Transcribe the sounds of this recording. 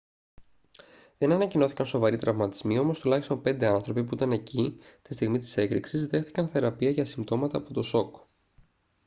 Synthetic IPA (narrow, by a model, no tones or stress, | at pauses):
ðe̞nɐnɐcino̞θikɐnso̞vɐɾit̪ɾɐvmɐt̪izmio̞mo̞st̪ulɐçist̪o̞npe̞nd̪e̞ɐnθɾo̞pipuit̪ɐne̞cit̪i̥st̪iɣmit̪i̥se̞kɾiksizðe̞xθi̥kɐnθe̞ɾɐpiɐʝɐsimbt̪o̞mɐt̪ɐːpo̞t̪o̞so̞k